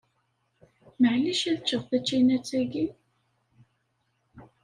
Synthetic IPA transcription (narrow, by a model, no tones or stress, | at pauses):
məʕliʃæðt͡ʃːəʁˤθæt͡ʃːæjnæt͡sːæɡi